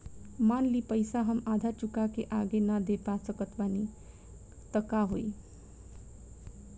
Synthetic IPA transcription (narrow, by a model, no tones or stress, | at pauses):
manlipəjsaɦəmad̪ʱat͡ʃukakeʔaɡenʌd̪epat͡sʌkət̪bani | t̪ʌkaɦoj